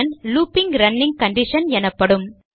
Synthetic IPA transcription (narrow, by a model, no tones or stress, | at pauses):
nluːpɪŋɡɾɐnːɪ̃ŋɡ̚kɐɳɖɪʂɐnɛnɐpːɐɽɯm